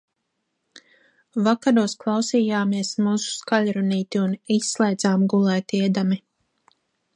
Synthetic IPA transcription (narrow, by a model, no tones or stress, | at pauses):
vakaɾuɔsklˠɑwsiːjaːmiɛsmuːsu̥skaʎʲɾuniːt̪iunisːlˠɛjd̪zaːmɡulˠɛjt̪iɛd̪ami